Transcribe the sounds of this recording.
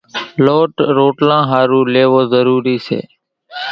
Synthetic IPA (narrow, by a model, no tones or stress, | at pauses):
loːʈɾoːʈlãːɦaːɾũːleːʋoːzəɾuːɾiːsḛː